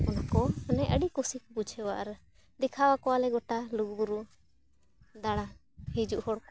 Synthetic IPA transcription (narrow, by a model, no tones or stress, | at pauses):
ɔnakɔnɛʔəɖikusikbud͡ʒʰʱɛwaʔɾ | d̪ɛkʰawakɔwalɛɡɔʈaluɡbuɾu | d̪aɽ̃a | hid͡ʒuʔhɔɽk